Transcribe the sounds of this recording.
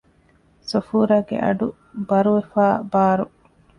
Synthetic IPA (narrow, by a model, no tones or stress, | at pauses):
sufuːɾaːɡḛʔɐ̰ɖu | bɐɾuʋefaːbaːɾu